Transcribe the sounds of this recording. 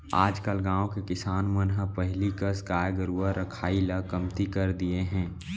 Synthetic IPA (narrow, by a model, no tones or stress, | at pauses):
aːd͡ʒkəlɡãːõkekɪsaːnmənɦəpəɦlikəskaːjɡəɾuːaɾəkʰaːiləkɐmt̪ikɐɾd̪ieɦɛ̃ː